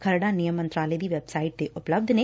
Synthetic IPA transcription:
kʰəɾɖanijəmːə̃nt̪ɾaːləed̪iːʋeːbsaːɪʈ̚d̪eʔʊpləb̚d̪ʱneː

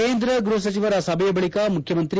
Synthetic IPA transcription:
eːnd̪ɾɐɡɾuɦɐs̬ɐt͡ʃiʋɐɾɐsɐbʱɐjɐbɐɭikamukʰjɐmɐnt̪ɾi

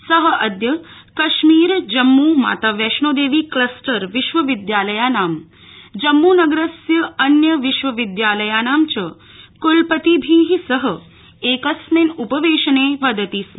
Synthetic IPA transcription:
sɐɦəʔɐd̪jɐkɐʃmiːɾd͡ʒɐmːuːma̰ːt̪aːʋjɐʃɳoːd̪eːʋiːklɐsʈɐɾʋiʃʋɐʋid̪jaːlɐjaːnaːm | d͡ʒɐmːuːnɐɡɾɐsjɐɐnjɐʋiʃʋɐʋid̪jaːlɐjaːnaːmt͡ʃɐ | kulpət̪iːbʱiːɦisɐɦə | eːkɐsmenupɐʋeːʃɐneːʋɐd̪ət̪iːsm

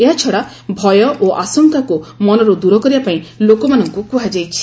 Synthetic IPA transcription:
eɦat͡ʃʰɔɽa | bʱɔjɔʔoʔasɔŋkakumɔnɔɾud̪uɾɔkɔɾibapaĩlokɔmanɔŋkukuɦad͡ʒajt͡ʃʰi̥

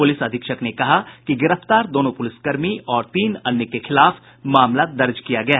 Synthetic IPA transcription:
pʊlɪsɐd̪ʱɪkʃəknekɐɦakiɡɪɾəft̪aːɾd̪oːnõpʊlɪskɐɾmiɔːɾt̪iːnɐnjəkexɪlaːf | maːmlad̪ɐɾd͡ʒkijaɡɐja

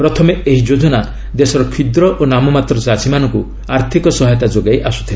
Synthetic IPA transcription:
pɾɔt̪ʰɔmeeɦid͡ʒod͡ʒʱɔna | d̪esɔɾɔkʰid̪ɾɔʔonamɔmat̪ɾɔsasʰimanɔŋku | aɾt̪ʰikɔsɔɦjt̪ad͡ʒoɡajʔasu̥t̪ʰil

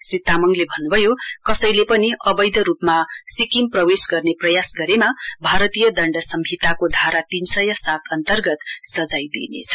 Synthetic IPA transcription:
srit̪ːamʌŋlebʱʌnːubʱʌjokʌsʌjlepʌniʌbʌjd̪ʌɾupmasikimprʌwesɡʌrneprʌjasɡʌɾemabʱaɾʌt̪ijʌd̪ʌɳɖʌsʌmbʱit̪akod̪ʱaɾat̪insʌjʌsat̪ʰʌnt̪ʌrɡʌt̪sʌd͡zajd̪ḭnḛt͡sʰʌ̥

